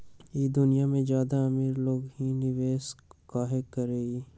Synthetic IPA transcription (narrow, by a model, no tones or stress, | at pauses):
jiːd̪ʊnijamẽd͡ʒjaːd̪aɐmiːɾloːɡɦinɪʋeːskaːɦekɐɾeːɡi